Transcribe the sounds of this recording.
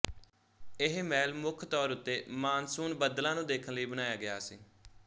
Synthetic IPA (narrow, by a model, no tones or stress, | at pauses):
ɪɦmɛːlmʊkʰt̪ɔːɾʊt̪ːeːmaːnsuːnbəd̪lãːnũːd̪eːkʰənləiːbənaːjaːɡɪjaːsḭː